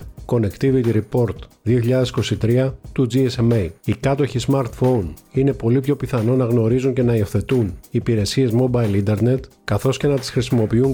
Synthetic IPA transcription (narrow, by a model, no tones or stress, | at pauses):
ko̞ne̞kt̪ivit̪iɾipo̞ɾt̪ðioçiʎɐðe̞si̥ko̞sit̪ɾiɐt̪ud͡ziesemejikɐt̪o̞çizmɐɾt̪fo̞nine̞po̞lipço̞piθɐno̞nɐɣno̞ɾizuɲce̞nɐiofθe̞t̪uniːpiɾe̞sie̞zmo̞bɐjlind̪e̞ɾne̞t̪kɐθo̞sce̞nɐt̪i̥sxɾisimo̞piuŋ